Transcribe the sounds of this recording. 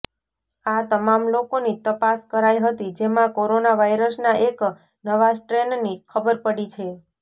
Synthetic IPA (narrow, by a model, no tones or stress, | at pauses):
at̪əmamlokonit̪əpaskəɾajɦət̪id͡ʒemãkoɾonaʋajɾəsnaʔek | nəʋasʈɾennikʰəbəɾpəɽit͡ʃʰe